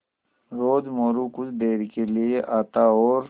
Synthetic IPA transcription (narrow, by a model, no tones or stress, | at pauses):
ɾoːdmoːɾukʊsd̪eːɾkelieʔaːt̪aɔːɾ